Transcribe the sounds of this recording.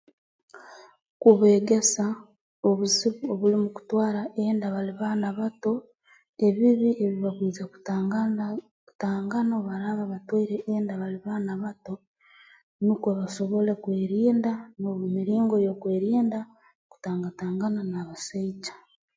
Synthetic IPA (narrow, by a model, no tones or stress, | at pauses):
kuβe̞ːɡe̞sa | o̞βuziβuoβulimuku̥twaːɾaʔeːndaβaliβanaβato̞ | e̞βiβie̞βiβakwiːzaku̥ | taːŋɡano̞βaɾaβaβatwoiɾeʔeːndaβaliβanaβato̞ | nukwaβaʃo̞βo̞le̞kweːɾiːndanoβmiɾiːŋɡo̞jo̞kweːɾiːnda | ku̥taːŋɡataːŋɡananaβasaicḁ